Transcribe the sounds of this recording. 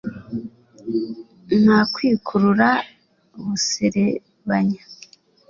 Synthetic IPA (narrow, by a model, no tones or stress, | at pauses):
naːkwiːkʰuɾuɾa | βuseɾe | βaɲa